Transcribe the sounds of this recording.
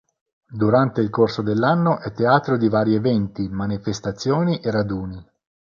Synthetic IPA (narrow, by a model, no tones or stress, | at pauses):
d̪uɾant̪eilkorsod̪elːanːoʔɛt̪ːeaːt̪ɾod̪ivaːɾievɛnt̪imanifest̪at̪sːjoːniʔerad̪uːni